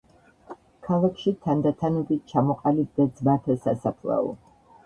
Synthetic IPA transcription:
kʰalˠakʰʃit̪ʰand̪at̪ʰanɛbit̪̚t͡ʃʰamɔqʼalit̪d̪ad̪zmat̪ʰɛsasapʰlɛ̰ṵ

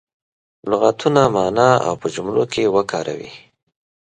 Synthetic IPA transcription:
lʊɣat̪unamɑnɑa̰wpəd͡ʒʊmlokʰewəkʰɑɾʔa̰wḭ

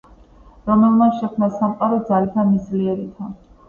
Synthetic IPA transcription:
ɾɔmɛlˠmat̪ʃɛkʰmnasamqʼaɾɔd̪zalit̪ʰamisliɛɾit̪ʰa

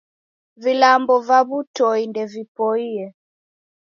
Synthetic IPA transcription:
vilambɔvaβutɔindɛvipɔiɛ

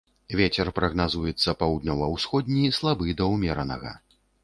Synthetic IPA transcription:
vʲet͡sʲɛrpɾɐɣnazujɛt̪sːɐpawd̪ʲnʲɔwɐwsxɔd̪̚ʲnʲislˠabɨd̪ɐwmʲɛɾɐnɐ̰ɣɐ̰

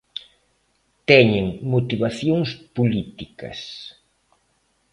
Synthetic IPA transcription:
t̪ɛɲeŋmot̪iβaθjoŋspulit̪ikɐ̰s

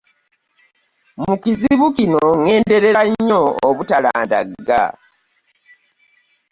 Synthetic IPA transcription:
mukiziβukinoŋe̞ːnde̞ɾe̞ɾaɲːoːβutalaːnda̰ɡa̰

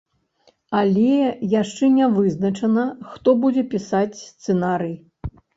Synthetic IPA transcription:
alʲɛjaʂt͡ʂɛnʲɛvɨznɐt͡ʂɐnɐxt̪ɔbud͡zʲɛpʲisat͡sʲsst̪sɛnaɾɨj

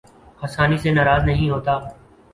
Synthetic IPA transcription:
həsaːnisenaːɾaːznɐɦĩɦoːt̪aː

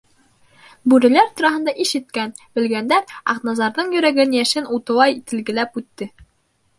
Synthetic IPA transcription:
bʉɾɘ̆læɾt̪ŭɾɑɦɤ̆nd̪ɑʔiʃɘ̆t̪̚kæn | bɘ̆lɡænd̪æɑ̰qnɑzɑɾðɤɴjɵ̆ɾæɡɘnjæʃɘnut̪ɤ̆lˠɑjit̪ɘ̆lɡɘ̆læpʉt̪ːɘ

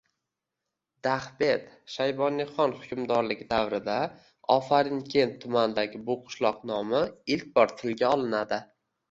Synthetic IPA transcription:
d̪aχbe̞t̪ʃajbɒnɪχɒnhʊkʲʰʊmd̪ɒɾlɪɡʲd̪awɾɪd̪a | ɒfaɾɪnkʲʰe̞ntt̪ʰːʊmand̪aɡʲɪbʊqʰʊ̥ʃlˠɒqnɒmɪɪlkʲbɒɾt̪ʰɪlɡʲaɒlˠɪnad̪ɪ

